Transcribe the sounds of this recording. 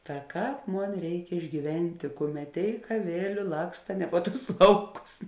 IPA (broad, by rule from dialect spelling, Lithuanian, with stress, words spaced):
tɐ ˈkɑːp ˈmoːn ˈrʲɛɪk ɪʒʲɡʲiːˈʋʲɛnʲtʲeː ˈkʊˌmʲɛt ˈtʲeːɪk ɐˈʋʲeːlʲʊ ˈlˠɑːkstɐ nʲɛ poː ˈtʊs ˈlˠɐʊˌkʊs